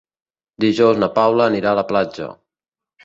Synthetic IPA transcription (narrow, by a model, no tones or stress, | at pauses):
d̪iʒowznəpawləːniɾaːləplad͡ʒə̰